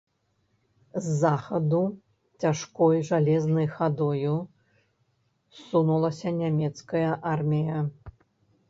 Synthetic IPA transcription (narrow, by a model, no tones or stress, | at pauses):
zːaxɐd̪u | t͡sʲaʂkɔjʐalʲɛznɐjxad̪ɔju | sunulˠɐsʲɐnʲamʲɛt̪skɐjɐʔarmʲijɐ